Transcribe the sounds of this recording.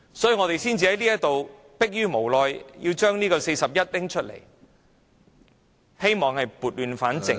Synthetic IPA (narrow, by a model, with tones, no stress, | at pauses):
sɔː˨˥jyː˨˧ŋɔː˨˧t̪e˨jsiː˥nt͡siː˨hɐ˨˥jliː˥jɐ˥t̚t̪o˨w | pɪ˥k̚jyː˥mo˨˩wlɔː˨˧jjḭ˧wt͡ʃœː˥ŋniː˥kɔː˧se˧jsɐ˨p̚jɐ˥t̚t̪ɪ˥ŋt͡ʃʰɵ˥t̚lḛ˨˩j | he˥jmɔː˨ŋhɐ˨jpuː˨˩t̚lyː˨˧nfaː˨˥nt͡sɪ˨˧